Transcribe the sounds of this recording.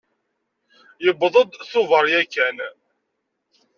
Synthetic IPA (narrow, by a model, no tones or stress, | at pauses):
jəbðˤəd̪θʊvəɾˤjækːæn